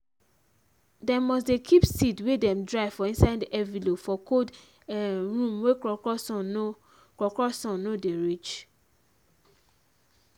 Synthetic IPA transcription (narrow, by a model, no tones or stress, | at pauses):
demɔs̬dekʰipsidwedɛ̃mdɹaɪfɔĩnsaɪdiʔɛvilofɔkod | ɹũmwekɔ | kɔkɔsɔ̃nːodeɹit͡ʃ